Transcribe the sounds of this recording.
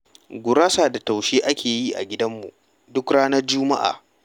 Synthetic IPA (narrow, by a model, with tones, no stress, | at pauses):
ɡʷʊ˨ɾaː˦saː˨da˨ta˨wʃeː˦ʔa˦kʲeː˨ji˦ʔa̰˨ɡʲɪ˦dɐ˦mːṵ˨ | dʊ˦kɽaː˦nɐ˦rd͡ʒʊ˦ma̰˦ʔa̰ː˨